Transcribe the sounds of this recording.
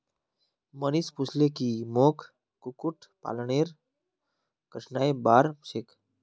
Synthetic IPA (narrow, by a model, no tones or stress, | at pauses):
mənisput͡ʃʰlekimoːkʰ | kukuʈʰpa̰lɳeːɾ | kəʈʰnaːjbaːɾsek